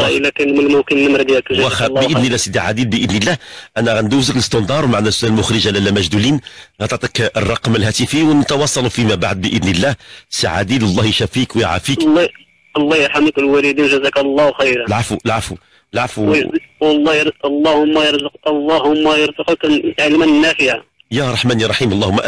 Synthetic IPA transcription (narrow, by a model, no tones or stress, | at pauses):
æəlækænməlmʊkənləmɾd̪jækʒwxæəʔəd̪nəlːæhsəd̪iʕa̰d̪ilbəʔəd̪nəlːæhʔænæɣænd̪uzəkləst̪ɑnd̪ɑɾˤwmaʕnæsʊʔælmʊxɾəʒalælːæmæʒd̪ulinɣɑt̪ˤɑʕt̪ˤɑkərˤːɑqməlhæt̪əfijwnət̪ɑwɑsˤːɑlufimæbaʕd̪̚bəʔəd̪nəlːæhsaʕa̰d̪id̪ɑlˤːɑhjʃæfikwjəʕa̰fikː | lˤːɑhjəɾħamkəlwælid̪inʒəzæklˤːɑhwxæjɾalʕafulʕafu | lʕafuwwlˤːɑjlˤːɑhʊmːæjəɾzəqɑlˤːɑhʊmːæjəɾzəqknəʕlmænənːæfiʕa | jæɾˤɑħmæniɾˤɑħimɑlˤːɑhʊmːæʔ